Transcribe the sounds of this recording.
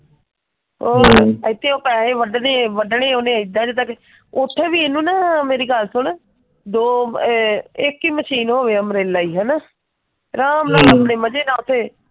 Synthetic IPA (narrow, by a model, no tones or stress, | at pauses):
ɦoːəɪt̪ːeːoːpɛːɦeːʋəɖneːʋəɖɳeːoːnẽːəid̪ãːd͡ʒeːt̪aːke | ʊt̪ʰːeːʋiːeːnũːnaːmeːɾiːɡəlsʊɳ | d̪oː | ɪkːiːməʃiːnɦoːʋeːəmɾeːlːaːiːɦãːna | ɾaːmnaːəpɳeːməd͡ʒeːnaːʊt̪ʰːeː